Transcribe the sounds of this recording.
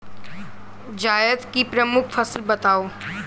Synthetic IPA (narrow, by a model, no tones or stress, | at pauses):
d͡ʒaːjəd̪kipɾəmʊkʰfʰəslbɐt̪aːoː